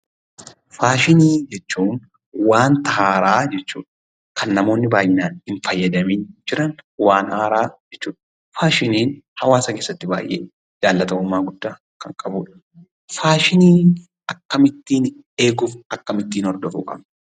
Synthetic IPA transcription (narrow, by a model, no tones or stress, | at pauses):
faːʃɪniːd͡ʒɛt͡ʃːuːn | waːnt̪ɐɦaːɾaːd͡ʒɛt͡ʃːṵːᶑɐ̥ | kʰɐnːɐmo̞ːnːɪbaːjʔɪnaːnhɪɱfɐjːɐd̪ɐmiːnd͡ʒɪɾɐnwaːnaːɾaːd͡ʒɛt͡ʃːuːᶑɐ̥ | faːʃɪniːnhɐwaːsɐke̞ːsːɐt̪ːɪba̰ːjʔḛː | d͡ʒaːlːɐt̪ɐʊmːaːɡʊd̪ːaː | kɐŋkʼɐbuːᶑɐ̥ | faːʃɪniːn | ɐkːɐmɪt̪ːiːn | e̞ːɡʊfɐkːɐmɪt̪ːiːnɔɾd̪ɔfṵːkʼɐ̰bnɐ̥